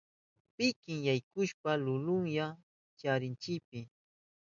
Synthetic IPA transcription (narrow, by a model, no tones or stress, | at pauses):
pɪkɪŋjajkʊʃpalʊlʊŋja | t͡ʃaɾɪnt͡ʃɪkp̚ɪ